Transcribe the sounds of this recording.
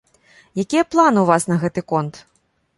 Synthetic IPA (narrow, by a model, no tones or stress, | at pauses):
jakʲijɐplˠanɨuvasnɐɣɛt̪ɨkɔnt̪